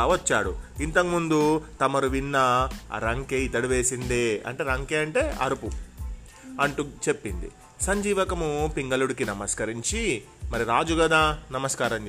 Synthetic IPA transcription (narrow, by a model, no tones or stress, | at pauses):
ʋɐt͡ʃːaːɽṵint̪ɐkmund̪ut̪ɐmɐɾuʋinːɐ̰ɾɐŋkeit̪ːɐɽuʋeːsind̪eːɐ̰ɳʈe̞ːɾɐŋkeːɐɳʈe̞ːʔɐ̰ɾupu | ɐɳʈut͡ʃe̞pːind̪ḭ | sɐɲd͡ʒiːʋɐkɐmupiŋɡɐluɽikinɐmɐskɐɾiɲt͡ʃi | mɐɾiɾaːd͡ʒuɡɐd̪aːnɐmɐskaːɾɐmd͡ʒ